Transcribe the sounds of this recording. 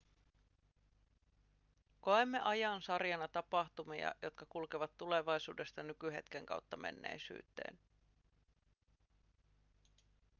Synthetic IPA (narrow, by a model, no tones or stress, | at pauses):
ko̞emːe̞ʔɑjɑnsɑrjɑnɑt̪ɑpɑxt̪umiɑ̰jo̞t̪̚kɑkulkeʋɑt̪ːule̞ʋɑjsṵːde̞st̪ɑnykyɦe̞t̪keŋkɑ̰wt̪ːɑmʔe̞̰nːḛjsy̰ːt̪ːe̞̰ːn